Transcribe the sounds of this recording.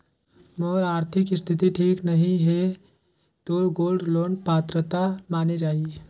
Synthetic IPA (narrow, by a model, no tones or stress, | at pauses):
moːɾaːɾt̪ʰɪkɪst̪ʰɪt̪̬iʈʰiːknɐɦĩɦɛ | t̪oːɾɡoːlɖloːnpaːt̪ɾət̪amaːned͡ʒaːie